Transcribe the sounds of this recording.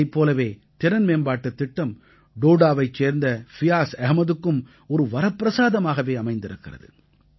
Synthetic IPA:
ɪpːoːlɐʋeːt̪ɪɾɐnmeːnbaːʈːɯt̪ːɪʈːɐm | ɖoːɽaːʋɐɪt͡ʃːeːɾnd̪ɐfɪjaːsɛɦɐmɐðɯkːɯm | ɔɾɯʋɐɾɐpːɪɾɐsaːðɐmaːɣɐʋeːɐmɐɪnd̪ɪɾɯkːɪrɐ̰ðɯ̰

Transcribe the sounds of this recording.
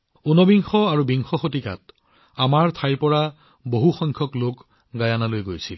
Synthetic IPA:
unɔbiŋxɔaɹubiŋxɔxotika̰t | amaɹtʰajpɔɹa | boɦuxɔŋkʰjɔklok | ɡajanalojɡojsil

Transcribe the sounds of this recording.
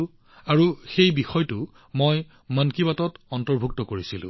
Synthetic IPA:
aɹuxejbixɔjtu | moj | mənkibatɔtɔntɔɹbʱuk̚tɔkoɹisilʊ̰̃

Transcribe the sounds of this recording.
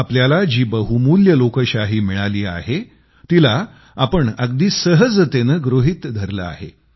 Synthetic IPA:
apljalad͡ʑiːbəɦumuljəlokəɕaɦiːmiɭaliːa̰ɦe | t̪ila | apəɳəɡ̚d̪iːsəɦəd͡zt̪enəɡɾoɦit̪d̪ʱəɾlə̰a̰ɦḛ

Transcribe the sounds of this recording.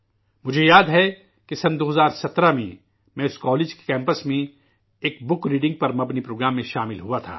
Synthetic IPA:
mʊd͡ʒʱejaːd̪ɦɛ | kesɐnd̪oːɦɐzaːɾsɐt̪ɾamḛ̃ | mɛ̃ʊskɔːleːd͡ʒke̥kɛ̃ːmpəsmẽ | eːkbʊkɾiːɖɪ̃ŋɡ̚pɐɾmɐbnipɾoːɡɾaːmːẽʃaːmɪlɦuat̪ʰa̰ː

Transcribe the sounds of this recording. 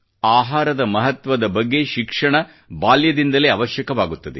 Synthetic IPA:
aːɦaːɾɐd̪ɐmɐɦɐt̪ʋɐd̪ɐbɐɡːe̞ʃikʂɐɳɐ | baːljɐd̪ind̪ɐleːɐʋɐʃjɐkɐʋaːɡut̪ːɐd̪e

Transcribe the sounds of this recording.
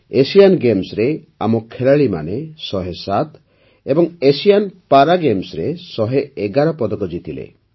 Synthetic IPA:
esijanɡemsɾe | a̰mɔkʰelaɭima̰nesɔɦesat̪ | ebɔŋesijanpaɾaɡemsɾesɔɦeeɡaɾɔpɔd̪ɔkɔd͡ʒit̪ʰilḛ

